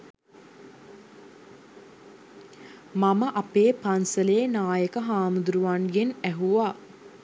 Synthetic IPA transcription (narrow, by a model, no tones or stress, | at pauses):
maməʔapeːpansəleːnaːjəkəɦaːmud̪uɾuʋanɡenæɦuʋaː